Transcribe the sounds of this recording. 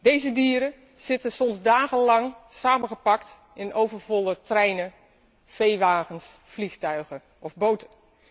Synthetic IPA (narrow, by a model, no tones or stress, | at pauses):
dejzədiːɾə | z̥ɪtəsɔmzdaːɣənlɑŋsaːmənχəpɑkt | ɪnʔowvərvɔlˠətrɛjnə | fejʋaːɣənsflixtœɥɣə | ɔvbowtən